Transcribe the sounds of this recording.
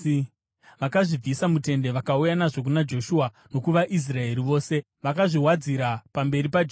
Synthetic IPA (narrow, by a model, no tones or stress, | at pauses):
ʋakaʐib͡visamute̞nde̞ʋakaujanaʐo̞k̬unad͡ʒo̞ʃua | no̞kuʋaʔis̬rae̞riʋo̞ːse̞ | ʋakaʐiɦwad͡ziɾapambe̞ɾipad͡ʒ